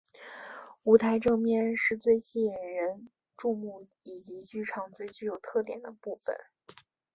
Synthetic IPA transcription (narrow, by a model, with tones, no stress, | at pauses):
u˧˥t̪ʰa˧˥ɪʈ͡ʂɤ˥˧ŋmjɛ˥˧nʂɻ̩˥˧t͡swe˥˧ɪɕi˥˩jɛ˨˩nɻə˧˥n | ʈ͡ʂu˥˧mu˥˩ | i˨˩t͡ɕi˧˥t͡ɕy˥ʈ͡ʂʰɑ˥˩ŋt͡swe˥˧ɪt͡ɕy˥˩jo˨˩ʊt̪ʰɤ˥˩t̪jɛ˨˩nd̪ə˦pu˥˩fə̰˨˩n